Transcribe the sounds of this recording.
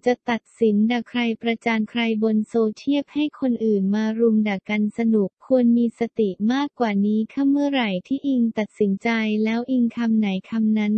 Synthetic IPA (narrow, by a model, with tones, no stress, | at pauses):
t͡ɕa˨˩ʔt̪a˨˩t̪̚si˩˦nda˨˩kʰɾa˧jpɾa˧t͡ɕaː˧nkʰɾa˧jbo˧nsoː˧t͡ɕʰi˥˩əp̚ha˥˩jkʰo˧nʔɯː˨˩nmaː˧ɾu˧mda˨˩ka˧nsa˧nu˨˩kʰːu˧ənmiː˧sa˧t̪i˨˩maː˥˩kːwaː˨˩niː˦˥kʰa˥˩mːɯ˥˩əɾa˨˩jt̪ʰiː˥˩ʔi˧ŋt̪a˨˩t̪̚si˩˦nt͡ɕa˧jlɛː˦˥wʔi˧ŋkʰa˧mna˩˦jkʰa˧mna˦˥n